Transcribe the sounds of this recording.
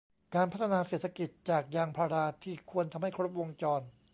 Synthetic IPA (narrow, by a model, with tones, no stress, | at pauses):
kaː˧npʰa˦˥t̪ʰːa˧naː˧seː˨˩t̪ʰːa˧ki˨˩t̪̚t͡ɕaː˨˩k̚jaː˧ŋpʰa˧ɾaː˧t̪ʰiː˥˩kʰu˧ənt̪ʰa˧mha˥˩jkʰɾo˦˥p̚wo˧ŋt͡ɕɔː˧n